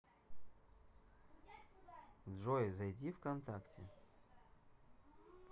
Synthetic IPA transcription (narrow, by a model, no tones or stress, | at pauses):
d̪ʐojzɐjdʲifkɐnt̪aktʲɪ̰